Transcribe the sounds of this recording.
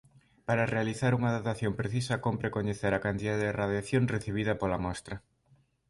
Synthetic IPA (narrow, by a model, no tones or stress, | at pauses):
paɾarealiθaɾuŋɐðat̪aθjompɾeθisɐkompɾekoɲeθeɾakant̪iðaðeðeraðjaθjoŋreθiβ̞iðɐpolamɔst̪ɾɐ